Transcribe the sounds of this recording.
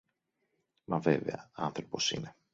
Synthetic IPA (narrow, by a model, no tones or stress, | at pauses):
mɐve̞ve̞̰ɐɐnθɾo̞po̞sḭne̞